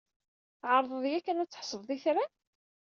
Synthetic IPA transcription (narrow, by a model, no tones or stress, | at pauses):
θʕəɾˤðˤəðˤjækːænæt͡sːə̥ħsˤəððiθɾæ